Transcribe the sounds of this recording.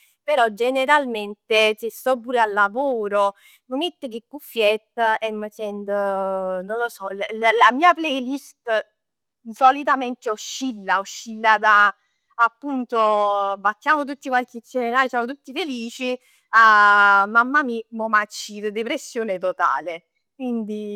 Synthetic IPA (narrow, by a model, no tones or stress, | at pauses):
peɾɔd͡ʒeneɾalment̪esest̪ɔpːuːɾealːavoːɾo | məmet̪ːək̬ekːufːjɛt̪ːɛmːət͡ʃɛnd̪ənonlːosɔlllamiːaplɛjlist̪ | solit̪ament̪eoʃːilːaoʃːilːad̪a | apːunt̪obat̪ːjaːmot̪̬ut̪ːikwalk̟et͡ʃːeɾenaːɾisjaːmot̪̬ut̪ːifeliːt͡ʃi | amamːamimomat͡ʃːid̪əd̪epɾesːjoːnet̪ot̪a̰ːle | kwind̪i